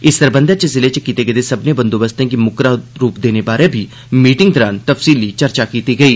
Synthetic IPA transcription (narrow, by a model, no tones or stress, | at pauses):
ɪsːəɾbə̃nd̪at͡ʃəzɪlet͡ʃəkiːt̪eɡet̪esɐbnebə̃nd̪oːbəst̪ẽkimʊkɾaɾuːpd̪eːnebaːɾebʱi | miːʈɪ̃ŋɡ̚d̪ɔːɾaːnt̪əfsiːlit͡ʃɐɾt͡ʃakiːt̪iɡɐiː